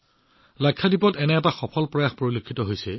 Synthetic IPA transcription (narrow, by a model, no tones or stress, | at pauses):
lajkʰːadipɔtɛnɛɛtaxɔpʰɔlpɹɔjaxpoɹilikʰːitɔɦojsɛ